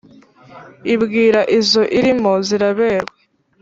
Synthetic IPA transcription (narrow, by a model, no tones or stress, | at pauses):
ibɡiːɾaʔizo̞ʔiɾimoziɾaβeːɾwe